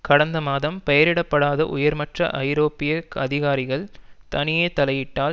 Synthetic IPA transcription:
kɐɽɐnd̪ɐmaːðɐmpɐjɐɾɪɽɐpːɐɽaːðɐ̰ʔʊ̰jɐɾmɐʈrɐ̰ʔɐɪɾoːpɪjɐkɐðɪɣaːɾɪɣɐɭt̪ɐnɪjeːt̪ɐlɐjɪʈːaː

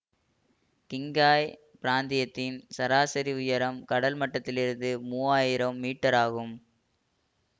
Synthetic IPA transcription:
kɪŋɡaːj | pɪɾaːnd̪ɪjɐt̪ːɪnsɐɾaːsɐɾiʊjɐɾɐmkɐɽɐlmɐʈːɐt̪ːɪlɪɾɯnd̪ɯmuːaːjɪɾɐmːiːʈːɐɾaːɣɯm

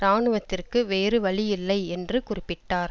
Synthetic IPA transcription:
ɾaːɳɯʋɐt̪ːɪrkɯʋeːɾɯʋɐɭɪjɪlːɐɪɛndrɯkʊrɪpːɪʈːaːɾ

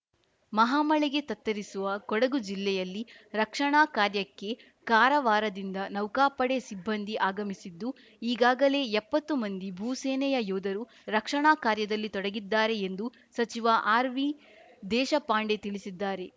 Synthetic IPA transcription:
mɐɦaːmɐɭɛɡe̞t̪ɐt̪ːɐɾisuʋɐkɔɽɐɡud͡ʒilːɛjɐlːiɾɐkʂɐɳaːkaːɾjɐkːe̞ | kaːɾɐʋaːɾɐd̪ind̪ɐnɐwkaːpɐɽesibːɐnd̪ʱiʔaːɡɐmisid̪ːu | iːɡaːɡɐle̞ɛpːɐt̪ːumɐnd̪ibʱuːseːnɛjɐjuːd̪ɐɾu | ɾɐkʂɐɳaːkaːɾjɐd̪ɐlːit̪ɔɽɐɡid̪ːaːɾe̞end̪u | sɐt͡ʃiʋaʔaːɾʋi | d̪ɛːʃɐpaːɳɖe̞t̪iɭisid̪ːaːɾe̞

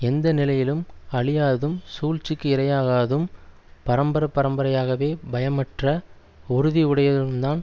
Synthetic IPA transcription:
ɛnd̪ɐnɪlɐjɪlɯmɐɭɪjaːðɯmsuːlt͡ʃɪkːɯɪɾɐjaːɣaːðɯm | pɐɾɐmbɐɾɐpːɐɾɐmbɐɾɐjaːɣɐʋeːbɐjɐmɐʈrɐ | ʊɾɯðiɯɽɐjɐðɪlɯmd̪aːn

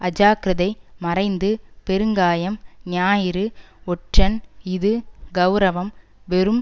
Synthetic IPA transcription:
ɐd͡ʒaːkɾɐðɐɪmɐrɐɪnd̪ɯpɛɾɯŋɡaːjɐmnɪjaːjɪɾɯɔʈrɐnɪðɯɡɐʊɾɐʋɐm | ʋɛɾɯm

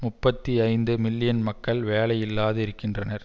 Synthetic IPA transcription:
mʊpːɐt̪ːiɐɪnd̪ɯmɪlːɪjɐnmɐkːɐɭʋeːlɐjɪlːaːðɯɪɾɯkːɪndrɐnɐɾ

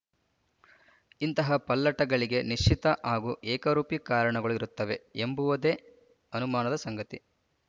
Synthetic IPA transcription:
int̪ɐɦɐpɐlːɐʈɐɡɐɭiɡe̞niʂt͡ʃʰit̪ɐʔaːɡuːʔɛːkɐɾuːpikaːɾɐɳɐɡɐɭuiɾut̪ːɐʋe̞embuʋɐd̪eː | ɐnumaːnɐd̪ɐsɐŋɡɐt̪i

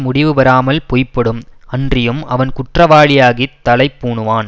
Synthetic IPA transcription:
mʊɽɪʋɯʋɐɾaːmɐlpoːjpːɐɽɯmɐndrɪjɯmɐʋɐnkʊʈrɐʋaːɭɪjaːɣit̪ːɐlɐɪpːuːɳɯʋaːn

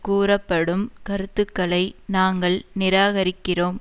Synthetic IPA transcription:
kuːrɐpːɐɽɯmkɐɾɯt̪ːɯkːɐɭɐɪnaːŋɡɐɭnɪɾaːɣɐɾɪkːɪroːm

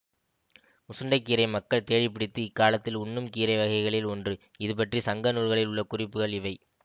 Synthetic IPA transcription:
ʊsɯɳɖɐɪkːiːɾɐɪmɐkːɐɭt̪eːɻɪp̬ːɪɽɪt̪ːɯɪkːaːlɐt̪ːɪlʊnːɯmkiːɾɐɪʋɐɣɐɪɣɐɭɪlɔndrɯ | ɪðɯpɐʈrisɐŋɡɐnuːɾɣɐɭɪlʊɭːɐkʊrɪpːɯɣɐɭɪʋɐɪ

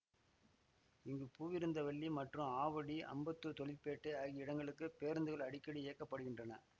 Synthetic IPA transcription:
ɪŋɡɯpuːʋɪɾɯnd̪ɐʋɐɭːimɐʈrɯ̃aːʋɐɽiʔɐ̰mbɐt̪ːɯt̪ɔɭɪlpːeːʈːɯɐːɣiɪɽɐŋɡɐɭɯkːɯpeːɾnd̪ɯɣɐɭɐɽɪkːɐɽieːkːɐpːɐɽɯɣɪndrɐnɐ

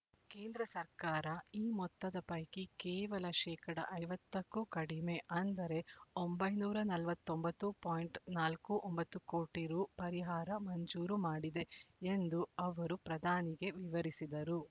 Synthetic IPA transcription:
keːnd̪ɾɐsɐɾkaːɾɐiːmɔt̪ːɐd̪ɐpɐjkikɛːʋɐlɐʃɛːkɐɽɐ̰ʔɐjʋɐt̪ːɐkːukɐɽime̞ʔɐnd̪ɐɾe̞ombɐjnuːɾɐnɐlʋɐt̪ːombɐt̪ːupaːjɳʈnaːlkuʔɔmbɐt̪ːuko̞ːʈiɾupɐɾiɦaːɾɐmɐɲd͡ʒuːɾumaːɽid̪e̞end̪uɐʋɐɾupɾɐd̪ʱaːniɡe̞ʋiʋɐɾisid̪ɐɾu

